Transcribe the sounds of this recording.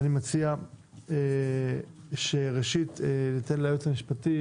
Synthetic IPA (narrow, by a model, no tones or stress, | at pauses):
nimat͡siae | ʃeʁeʃitenit̪enlaːjot̪lamiʃpati